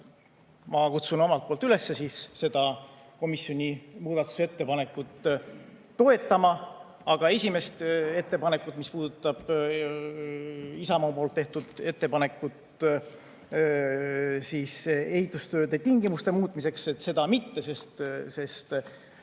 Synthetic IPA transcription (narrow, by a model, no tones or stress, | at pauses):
mɑkut̪suno̞mɑlt̪̚polt̪ːˑyle̞sːesiːsse̞d̪̥ɑ | ko̞misjo̞nʲimuːd̪̥ɑt̪ːˑu̥seet̪ːe̞pɑne̞kːˑut̪ː | o̞e̞t̪ːˑɑmɑ | ɑɡ̥ɑe̞sʲime̞st̪e̞t̪ːe̞pɑne̞kːˑut̪mispuːd̪̥ut̪ːˑɑb̥ | isɑmɑːpolt̪ːe̞ht̪ud̪̥e̞t̪ːe̞pɑne̞kːˑut̪ | siːse̞hit̪ːˑust̪ø̞ːd̪̥et̪iŋɡ̥imust̪e̞muːt̪ˑmise̞kset̪ːse̞d̪ɑmit̪ːe̞se̞st̪se̞st̪